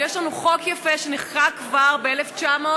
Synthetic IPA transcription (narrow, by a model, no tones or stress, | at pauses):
jeʃlanuχo̞kjafeʃeneχkakvaʁbeeleft͡ʃamo